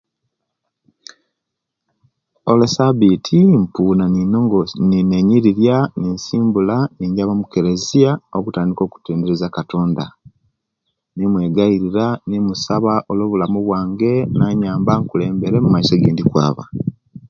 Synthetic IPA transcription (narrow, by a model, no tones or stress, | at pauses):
olesaβitʰimpunaninoŋɡnineɲiɾiɾjaninsiːmbulaniɲɟaβamuke̞ɾe̞ziaokutaːndiko̞ːku̥teːndeɾezakato̞ːnda | nimwe̞ɡaiɾiɾanimusaβaʔo̞loːβulamuβwaːŋɡe̞naːɲaːmbaŋkuleːmbe̞ɾe̞mumaiso̞ɡeːndikwa̰ːβa̰